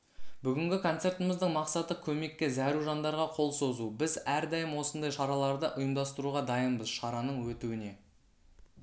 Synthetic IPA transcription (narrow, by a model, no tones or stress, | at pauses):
bʏɡʲɪŋɡʲɪkʰo̞nt̪se̞ɾt̪əməzd̪əɴmɑqsɑt̪əkʲʰɵme̞kʲːe̞zæɾuʒɑnd̪ɑɾʁɑqʰo̞lˠso̞zubɪzæɾd̪ɑjəmwo̞sənd̪ɑjʃɑɾɑlˠɑɾd̪əʔʊjəmd̪ɑst̪əɾuʁɑd̪ɑjənbəzʃɑɾɑnəɴwɵt̪uwɪne̞